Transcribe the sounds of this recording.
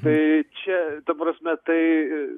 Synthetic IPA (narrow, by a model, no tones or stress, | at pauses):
t̪ɐɪt͡ʃʲɛt̪ɐpɾɐsʲmʲɛt̪ɐɪ